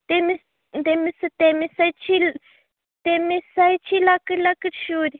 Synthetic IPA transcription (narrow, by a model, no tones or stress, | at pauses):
t̪emis | nd̪emĩsɨt̪emĩsait͡ʃil | t̪emĩsait͡ʃilakɨlakɨt͡ʃuɾi